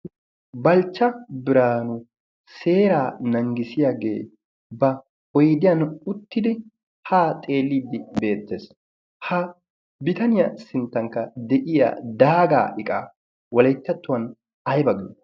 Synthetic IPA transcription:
bɐlt͡ʃːɐbɪɾaːnʊ | se̞ːɾaːnɐŋɡɪsɪjaɡe̞̰ː | bɐ | ɔjd̪ɪjɐnʊt̪ːɪd̪ɪ | haːt̪ʼe̞ːlːiːd̪ːɪbe̞ːt̪ːes | hɐ | bɪt̪ɐnɪjɐsɪnt̪ːɐŋkːɐd̪ɛʔɪja̰d̪aːɡa̰ːʔɪkʼa̰ː | wɔlɐjt̪ːɐt̪ːʊwɐn | ɐjbɐɡɪ

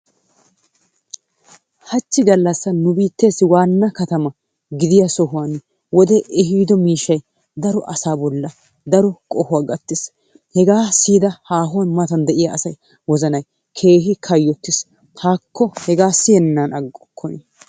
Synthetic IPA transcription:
hɐt͡ʃːɪɡɐlːɐsːɐnʊbiːt̪ːe̞ːsːɪwaːnːɐkɐt̪ɐmɐ | ɡɪd̪ɪjɐsɔɦʊwɐn | wɔd̪ɛʔɛɦiːd̪ɔmiːʃːɐj | d̪ɐɾɔʔɐsaːbɔlːɐ | d̪ɐɾɔkʼɔhʊwaːɡɐt̪ːɪs | hɛɡaːsiːd̪ɐhaːɦʊwɐnmɐt̪ɐnd̪ɛʔɪjɐːsɐj | wɔzɐnɐj | kʰe̞ːɦɪkʰɐjːɔt̪ːɪs | t̪aːkʰːɔhɛɡaːsɪjɛnnːanɐɡːɔkʰːɔnɛ

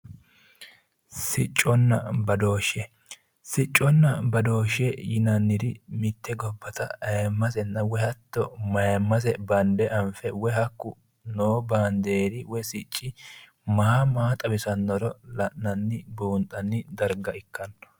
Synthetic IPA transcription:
sɪt͡ʃʼːɔnːɐ̰bɐd̪o̞ːʃɛ | sɪt͡ʃʼːɔnːɐbɐd̪o̞ːʃɛjɪnɐnːɪd̪ɪmɪt̪ːɛɡɔbːɐt̪ɐɐjmːɐsɛnːɐwɛhɐt̪ːɔmɐjɐmːɐs̬ɛbɐnd̪ɛʔɐɱfɛwɛɦɐkːʊ | noːbaːnd̪eːɾɪwɔsɪt͡ʃʼːɪ | maːmaːt̪ʼɐbɪsɐnːɔɾɔlɐʔːɐnːɪbuːnt̪ʼːɐnːɪd̪ɐɾɡɐɪkːɐnːɔ

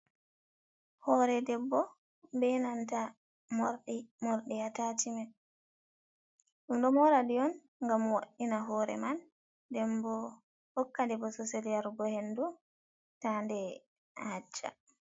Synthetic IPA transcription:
hɔɾɛdɛbːɔ | bɛnanta | mɾɗmɔɾɗɛjatatimɛ | ɗumɗɔmɔɾadijɔn | ŋɡamwa̰ɗːinaɦɔɾɛ̰man | dɛmbɔ | hɔkːadɛbɔsɔselijaɾbɔhendu | tandɛ | had͡ʒːa̰

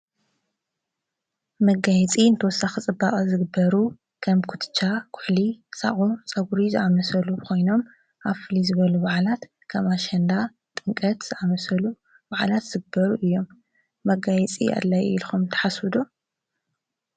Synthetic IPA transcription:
mɐɡajɛt͡sʼiɨnt̪ʰɐwɔsːaxɨt͡sʼɨbːakʼɐzɨɡɨbːɐɾu | kʰɐmkʰu̥t̪ʰɨ̥t͡ʃʰːakʰʊ̥ħlisa̰ʔʼut͡sʼɐɡuɾizɨʔamɐsɐlukʰo̞jno̞m | ʔaβfɨlizɨβɐluβaʕlat̪ | kʰamaʃɐnd̪a | t̪ʼɨŋkʼɐt̪z̥ɨʔamɐsɐlu | baʕalat̪z̥ɨɡɨbɐɾuʔɨjːo̞mː | ɐɡajɛt͡sʼḭa̰d̪lajḭlxumt̪ʰɐ̥ħaswɨd̪u

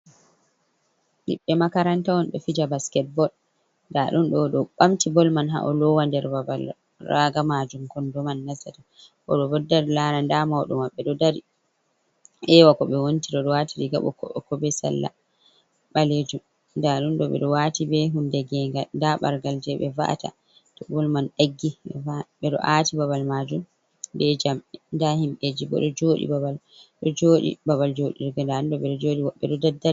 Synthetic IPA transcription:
ɗḭɓːɛmakaɾantawɔnɗɔfid͡ʒabaskɛt̚bɔl | ndaɗunɗɔɗɔɓamtibɔlmanɦa̰ʔɔlɔwandɛɾabal | raɡamad͡ʒumkɔndɔmanːasata | ʔɔ̰ɗɔbɔdːaɾlaːnandamawɗɔ̰mwaɓːɛɗɔdaɾi | ɛwakɔɓɛwontiɗɔɗɔwatiɾiɡa̰ɓɔ̰kɔ̰ɔkɔbɛsa̰lːa̰ | ɓaled͡ʒum | ndaɗunɗɔɓɛ̰ɗɔwatibɛɦundɛɡɛŋɡandaɓa̰ɾɡald͡ʒɛɓɛva̰ʔta̰ | tɔbulmanɗaɡːiɓɛvaɓɛɗɔ̰ʔaːtibaβalmad͡ʒum | bɛd͡ʒamɛndahimɓed͡ʒibɔ̰ɗɔd͡ʒoːɗḭbabal | ɗɔd͡ʒoːɗḭbabald͡ʒoɗiɾɡandaɗunɗɔɓɛɗɔd͡ʒoɗiwaɓːɛɗɔdadai

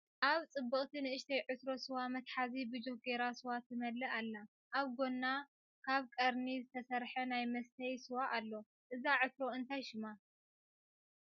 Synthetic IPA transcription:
ʔaβt͡sʼɨbːɨχʼt̪ʰinɨɨʃt̪ʰɐjʕɨt̪ɾo̞sɨwamɐt̪ħazibɨd͡ʒoɡeɾasɨwat̪ːɨmɐlːɐʔalːa | ʔaβɡo̞nːa | kʰaβkʼɐɾnizɨt̪ʰɐsɐɾħɐnajmɐst̪ʰɐjsɨwaʔalːo̞ | ʔɨzaʕɨt̪ɾo̞ɨnt̪ʰajʃɪma

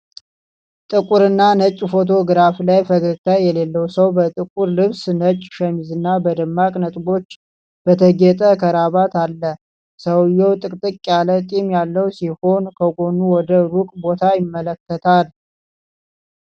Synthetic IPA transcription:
t̪ʼɨkʼuɾɨnːanət͡ʃʼfo̞t̪̬ʰo̞ɡɨɾaflajfəɡəɡt̪ʰajɛle̞lːəwsəwbət̪ʼɨkʼuɾlɨβsnət͡ʃʼːʃəmizɨnːabəd̪əmːakʼnət̪ʼɡo̞t͡ʃː | b̥ət̪ʰəɡɛt̪ʼəkʰəɾaβat̪alːə | səwjːɛwt̪ʼɨkʼt̪ʼɨkʼːjalət̪ʼimjalːəwsiho̞nkʰəɡo̞nuwɔd̪əɾukʼbo̞t̪ʰajɪmːələkːət̪ʰal

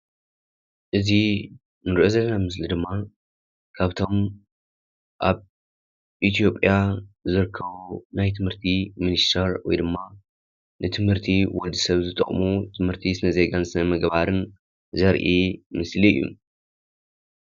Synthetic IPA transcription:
ʔɨzi | nɨɾʔozɐlːɐnamɨslid̪ɨmːa | kʰaβt̪ʰo̞m | ʔaβ | ʔit̪ʰijo̞pʼjazɨɾɨkʰːɐβunajt̪ʰɨmhɨɾt̪ʰiminist̪ʰɐɾwɔ̰jd̪ɨmːa | nɨt̪ʰɨmhɨɾt̪ʰiwɔd̪isɐβzɨt̪ʼɨ̰χʼmut̪ʰɨmhɨɾt̪ʰisɨnɐze̞ɡansɨnɐmɐɡbaɾɨn | zɐɾʔimɨsliɨ̰jːṵ

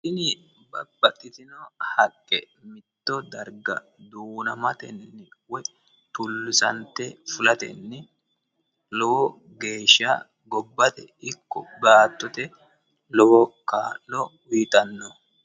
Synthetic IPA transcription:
sɪnɪ | bɐ̰bːɐt̪ʼːɪt̪ɪnɔhɐkʼːɛ | mɪt̪ːɔd̪ɐɾɡɐ̰ | d̪uːnɐmɐt̪ɛ̰nːɪwɛ | t̪ʊlːɪsɐ̰nt̪ɛfʊlɐt̪ɛ̰nːɪ | lɔwɔ | ɡeːʃːa̰ː | ɡɔbːɐt̪ɛ̰ɪkːɔ̰baːt̪ːɔt̪ɛ | lɔwɔkaːlːɔwiːt̪ʼɐnːɔ

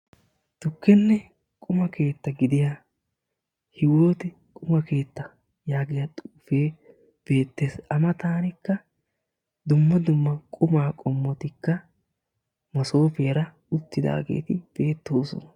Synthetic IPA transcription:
t̪ʊkːɛnːɛ | kʼʊmɐke̞ːt̪ːɐɡɪd̪ɪjaː | hɪwo̞ːt̪ɛ | kʼʊmɐke̞ːt̪ːɐ | jaːɡɪjɐt̪ʼuːfe̞ː | b̥e̞ːt̪ːe̞ːsɐmɐt̪aːnɪkːɐ | d̪ʊmːɐd̪ʊmːɐkʼʊmaːkʼɔmːɔt̪ɪkːɐ | mɐso̞ːfeːɾɐ | ʊt̪ːɪd̪a̰ːɡe̞̰ːt̪ɪb̥e̞ːt̪ːo̞ːsɔ̰nɐ

